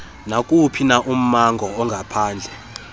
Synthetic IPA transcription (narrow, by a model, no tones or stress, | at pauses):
nakʼupʰinaʔum̩maŋɡʱɔɔŋɡʱapʰaːnd͡ɮʱɛ